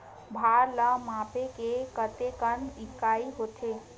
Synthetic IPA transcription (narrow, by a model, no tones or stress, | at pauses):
bʱaɾləmapekekət̪ekənikaiɦot̪ʰe